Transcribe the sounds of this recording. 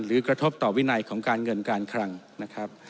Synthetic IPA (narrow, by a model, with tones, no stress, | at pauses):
ɾɯː˩˦kɾa˧t̪ʰo˦˥p̚t̪ɔː˨˩wi˦˥na˧jkʰɔː˩˦ŋkaː˧nŋɤ˧nkaː˧nkʰɾa˧ŋ | na˦˥kʰɾa˦˥p̚